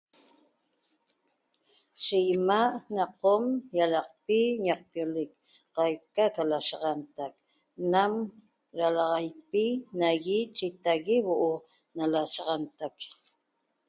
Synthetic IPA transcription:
ʃijmaʔnɑqomjalɑq̚piɲɑq̚pjolɪk | qɑjkakalaʃɑʁɑnt̪ak | nam | ɾalɑʁɑjpinaɣit͡ʃit̪aɣiwoʔo | nalasɑʁɑnt̪ak

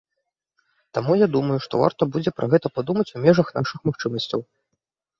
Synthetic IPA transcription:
t̪amujad̪umɐjuʂt̪ɔ̰va̰rt̪ɐbud͡zʲɛpɾʔɐɣɛt̪ɐpad̪umɐt͡sʲumʲɛʐɐxnaʂɨxmaxt͡ʂɨmɐsʲt͡sʲɐw

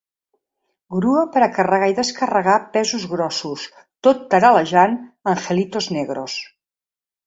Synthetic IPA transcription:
ɡɾuəpəɾəkərəɣaiðəskərəɣapɛzuzɣɾɔsus | t̪ot̪ːəɾaləʒanəŋxəlit̪ozneɣɾos

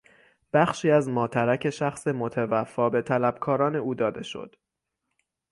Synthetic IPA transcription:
b̥æxʃiːæzmɒːt̪ʰæɾæcʰe̞ʃæxse̞mo̞t̪ʰævæfːɒːbe̞t̪ʰælæb̥kʰɒːɾɒːne̞uːd̪ɒːd̪e̞ʃo̞̰d̪̥

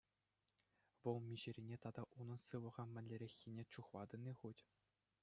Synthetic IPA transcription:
ʋɤ̆lˠmʲiʑɘ̆ɾʲinʲet̪ɑd̪ɑʔunɤ̆nsɯʋɤ̆ʁɑmʲɘ̆nʲlʲĕɾʲexʲːinʲet͡ɕuχlˠɑd̪ɤ̆nʲːiχutʲ

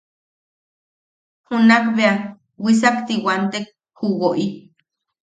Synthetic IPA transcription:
hunakbea | wis̬akt̪iwant̪ek̚ | huɣoʔi

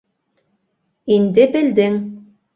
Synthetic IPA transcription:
ind̪ɘbɘ̆ld̪ɘŋ

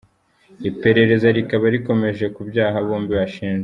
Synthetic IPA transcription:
ipe̞ɾe̞ɾe̞zaɾikaβaɾiko̞me̞ʒe̞kubjaːɦaβoːmbiβaʃiːnʒe

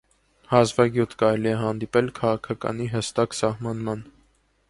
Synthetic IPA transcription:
hɑzvɑɡjut̪ʰkɑɾɛliɛɦɑnd̪ipɛlkʰɑʁɑkʰɑkɑ̰niɦəst̪ɑksɑhmɑnmɑn

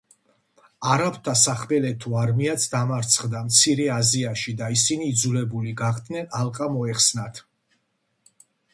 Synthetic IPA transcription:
aɾapt̪ʰasaχmɛlɛt̪ʰuaɾmiat̪sʰd̪amaɾt̪sʰχd̪amt̪sʰiɾɛaziaʃid̪aisiniːd̪zulɛbuliɡaχd̪nɛnalqʼamɔɛχsnat̪ʰ

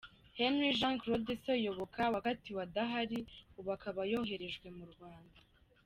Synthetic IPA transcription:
henwiʒãːŋkɾodesojo̞βo̞kʰawakatiwadaɦaɾiuβakʰaβajoɦe̞ɾe̞ʒɡwe̞muɾɡwaːnda

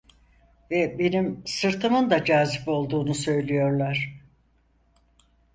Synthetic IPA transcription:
vɛbe̞nimsɯɾt̪ʰɯmɯnd̪ad͡ʒaːzipo̞lˠd̪uːnusø̞jlʲijo̞ɾlˠaɾ̥

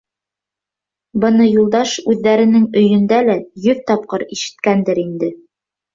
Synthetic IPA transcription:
bɤ̆nɤjulˠd̪ɑʃʉðːæɾɘ̆nɘŋɵ̆jɵ̆nd̪ælæjɵðt̪ɒp̚qɤɾiʃɘ̥̆t̪̚kænd̪ɘɾind̪ɘ

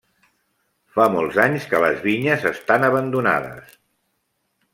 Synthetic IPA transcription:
famɔlˠzaɲskələzβiɲəzəst̪anəβənd̪una̰ðə̰s

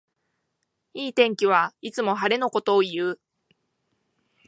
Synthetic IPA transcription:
iːt̪ẽ̞ŋkʲiβ̞ait͡sɨmo̞ɦaɾe̞no̞ko̞t̪o̞ːjɯ̟ː

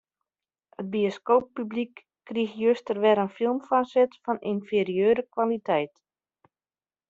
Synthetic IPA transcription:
əd̚bioskowpːyblikː | rixjøstərʋɛɾənfilˠmfasɪtfɔninfeɾiøːɾəkʋalitʰɛjt

